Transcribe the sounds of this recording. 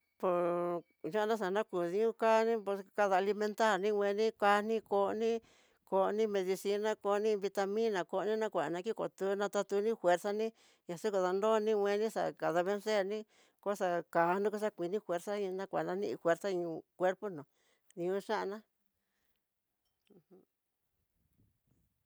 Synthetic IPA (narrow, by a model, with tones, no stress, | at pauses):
po˧ | ʒã˦˧nã˦ʂ̬a˨nã˦ku˨ðĩ˧˦ũ˦kaː˦nĩ˦po˧ka˧ða˧li˧mẽ˧nt̪a˦˨ɾnĩ˦˧wʷẽ˧nĩ˦ka˧˦nĩ˦ko˧nĩ˦ | ko˧nĩ˦mẽ˧ði˧si˧˦nã˦ko˧nĩ˦˧βi˧t̪a˧mĩ˦nã˨ko˧˨˧nĩ˦nã˦kʷa˨nã˧ki˦ko̰˨t̪u˧˦nã˧t̪a˧t̪u˧nĩ˦fwe˧ɾsa˦nĩ˦ | ɲa˨su˦ko˨ða˧ndo˦˨˧nĩ˦˧wʷẽ˧nĩ˦sa̰˧˨ka˨ða˧βe˦˧nse˦˨nĩ˦ | ko˦sa˧ka˨˦nĩ˦ku˦s̬a˦kʷi˨˧nĩ˦fʷe˧ɾsa˦ĩ˧nã˦kʷa̰˨nã˧˦nḭ̃˦˧ʔi˧fwe˧ɾsa˦ĩ˧ũ˧kʷe˦ɾpo˦nõ˨ | ĩ˧ũ˧˦ʂã˦ʔnã˦˧ | h